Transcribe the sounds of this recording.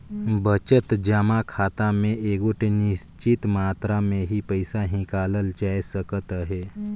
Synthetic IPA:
bət͡ʃət̪d͡ʒəmakʰaːt̪amẽʔeːɡoʈenɪst͡ʃɪt̪maːt̪ɾamẽɦipəɪsaɦɪ̃kaːləld͡ʒaːesəkət̪ɦeː

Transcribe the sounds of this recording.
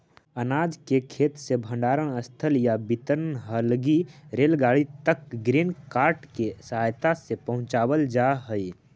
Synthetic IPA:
ənaːd͡ʒkekʰeːt̪sebʱə̃ɳɖaːɾəɽ̃əst̪ʰəljabit̪əɾnɦəlɡiɾeːlɡaːɭit̪əkɡɾinkaːɾʈkesjt̪asepəɦʊ̃t͡ʃaːwəld͡ʒaɦəi

